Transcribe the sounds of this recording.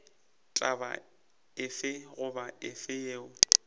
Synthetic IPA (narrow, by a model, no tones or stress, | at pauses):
t͡ɬʼaba̰ | ɪfɪɣʊbaɪfɪjeːʊ